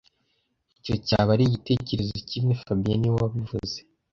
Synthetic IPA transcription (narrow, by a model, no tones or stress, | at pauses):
ico̞ca̰ːβaɾiɟite̞ceɾe̞zocimŋe̞fabijaniwawaβivuze̥